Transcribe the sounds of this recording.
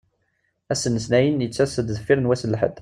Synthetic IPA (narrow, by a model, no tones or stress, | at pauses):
æsənːəsnæjənjət͡sːæsəd̪zəfːiɾənwæsəlːħə̰d̪